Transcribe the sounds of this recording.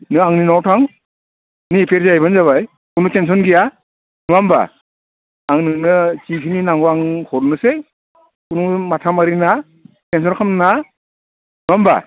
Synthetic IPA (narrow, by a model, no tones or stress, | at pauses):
nɯaŋninawtʰaŋ | nipʰeɾzajbɯnzaβaj | kunutens̬ɔnɡija | nuamba̰ | aŋnɯŋnɯt͡ʃipʰininaŋɡɔaŋkɔɾnɯse | kunumatʰamaɾina | tens̬ɔnkʰamnna | nuamba̰